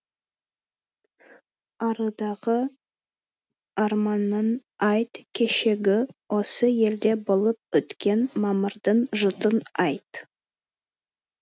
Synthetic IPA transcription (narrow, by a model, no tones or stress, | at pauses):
ɑɾəd̪ɑʁə | ɑɾmɑnːɑnɑjt̪kʲʰe̞ʃe̞ɡʲɪwo̞səje̞ld̪e̞bolˠəp̚ʏt̪kʲe̞nmɑməɾd̪əɴʒʊt̪ənɑjt̪